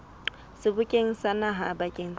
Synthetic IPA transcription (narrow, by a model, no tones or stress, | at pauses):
sɪbʊkʼeŋ̩sanaɦabakʼeŋ̩